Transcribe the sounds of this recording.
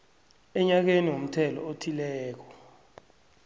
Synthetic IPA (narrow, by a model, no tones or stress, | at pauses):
ɛɲak̬eniwom̩tʰɛlɔ̰otʰilɛːk̬ɔ̥